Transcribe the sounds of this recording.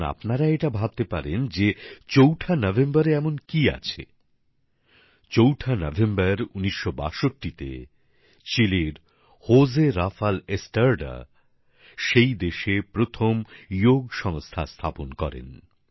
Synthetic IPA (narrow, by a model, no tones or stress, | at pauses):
na̰pnaɾaeʈabʱab̚t̪epaɾend͡ʑet͡ɕowʈʰanɔbʱembaɾeɛmonkia̰t͡ɕʰḛ | t͡ɕowʈʰanɔbʱembaɾuniʃːoba̰ʃoʈːit̪ḛ | t͡ɕileɾ | hozeɾafalesʈaɾɖa̰ | ʃejd̪eʃepɾot̪ʰomjoɡʃɔŋst̪ʰast̪ʰaponkɔ̰ɾḛn